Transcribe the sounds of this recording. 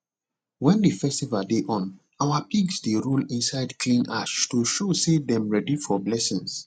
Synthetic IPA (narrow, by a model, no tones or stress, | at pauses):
wɛ̃ndifɛstivaldeʔɔ̃n | awapiɡsdeɹulĩnsaɪdkʰlĩnʔaʃtuʃosedɛ̃mɹɛdifɔblɛsĩŋs